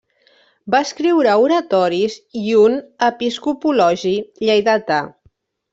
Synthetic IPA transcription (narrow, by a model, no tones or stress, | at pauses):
baskɾiwɾauɾət̪ɔɾiziunəpiskupulɔʒiʎajðat̪a